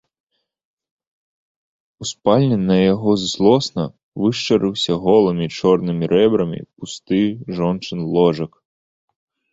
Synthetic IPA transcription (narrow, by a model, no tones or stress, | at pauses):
uspalʲnʲɨnːɐjaɦɔzzlˠɔsnɐ | ʋɨʂt͡ʃɐɾɨwsʲɐɦɔlˠɐmʲit͡ʃɔrnɪmʲiɾɛbɾɐmʲḭpust̪ɪʐɔnt͡ʃɨnlˠɔʐɐk